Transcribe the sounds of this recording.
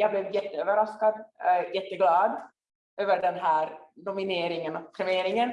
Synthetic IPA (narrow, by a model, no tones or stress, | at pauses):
jɑːɡblɛːvjɛt̪ːəøːvəɾaskad̪jɛt̪ːəɡlɑːd̪ | ʔøːvəɖɛnɦæːɾd̪ʊmɪneːɾɪŋənɔkp̪ʰɾɛmeːɾɪŋən